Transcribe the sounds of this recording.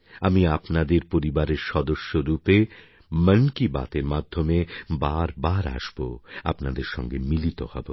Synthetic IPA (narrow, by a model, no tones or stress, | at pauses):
amiapnad̪eɾpoɾibaɾeɾʃɔd̪oʃːoɾupe | mənkiba̰t̪eɾmad̪ʱːomebaɾbaɾa̰ʃboa̰pnad̪eɾʃɔ̰ŋɡemilit̪ohɔ̰bo